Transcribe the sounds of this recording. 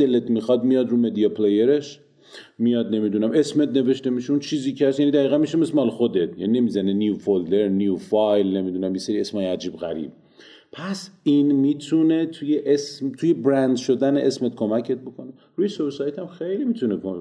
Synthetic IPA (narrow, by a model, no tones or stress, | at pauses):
d̪elet̪mixɒd̪mijɒd̪ɾuːmed̪iɒpʰlejeɾe̞ʃ | mijɒd̪ne̞mid̪unæme̞smet̪ne̞ve̞ʃt̪e̞miʃeunt͡ʃʰiːziːcʰeæsjænid̪æɣiːɣænmiʃemesmɒlxod̪et̪̚ʰjæ̰nine̞miːzænenjufold̪e̞ɾnjufɒjlne̞mid̪unæmjeseɾie̞smɒːjeæd͡ʒiːbɣæ̰ɾḭb̥̚ | pʰæsinmiːt̪ʰune̞t̪ʰujeʔesmt̪ʰuje̞bɾænd̪ʃod̪æneʔesmet̪̚kʰo̞mæcʰe̞t̪̚bo̞kʰo̞ne̞ | ɾuːjesosɒjet̪ʰæmxejlimit̪ʰunekʰo